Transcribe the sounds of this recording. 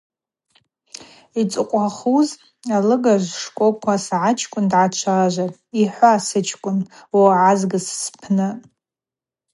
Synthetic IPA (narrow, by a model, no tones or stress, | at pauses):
it͡sʼɨqʷʼaχuz | alɨɡaʒʷʂkʷʼokʷʰasʕat͡ʃʰkʷʼʊndʕat͡ʃʷʰaʒʷa | iħʷaːsɨt͡ʃʰkʷʼʊnwaʕazɡɨsspʰnɨ